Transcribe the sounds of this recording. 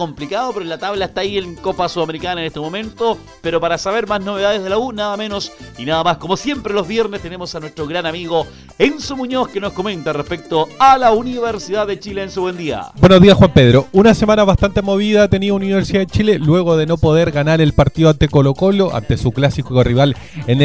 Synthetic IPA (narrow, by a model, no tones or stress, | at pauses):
komplikaðopoɾolat̪aβlaest̪aːieŋkopasuðameɾikanaenest̪emo̞mẽ̞nt̪o | peɾopaɾasaβeɾmaznoβeðaðezðelaunaðamenosinaðamasko̞mosje̞mpɾelozβjeɾnest̪enemosanwest̪ɾoɣɾanamiɣo | ensumuɲoskenoskomẽ̞nt̪arespek̚t̪oalauniβeɾsiðaðet͡ʃileːnsuβwe̞nd̪ia̰bwenoðiasxwampeðɾounasemanaβast̪ant̪emo̞βiðat̪eniauniuniβeɾsiaet͡ʃilelwe̞ɣoðeno̞poðeɾɣanaɾelpaɾt̪iðoant̪eko̞loko̞loʔa̰nt̪esuklasikoriβal | en